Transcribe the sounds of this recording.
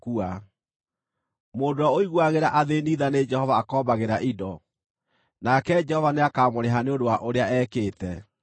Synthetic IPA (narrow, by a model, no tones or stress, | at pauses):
kua | moːndoaoiɣwaɣeɾaʔaðeniːðaned͡ʒɛhɔvaːkɔːbaɣeɾaʔidɔ | nakɛd͡ʒɛhɔvaneakaːmoɾeɦaneondowaʔoɾeaɛːkeːtɛ